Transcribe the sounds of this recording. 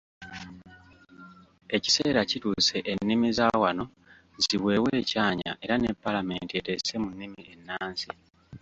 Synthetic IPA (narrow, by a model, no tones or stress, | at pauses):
e̞ci̥se̞ːɾacituːse̞ʔenːimizaːwano̞ | ziwe̞ːweːcaːɲa̰ʔe̞ɾane̞pːalame̞̰ntie̞te̞se̞munːimie̞nːaːnsi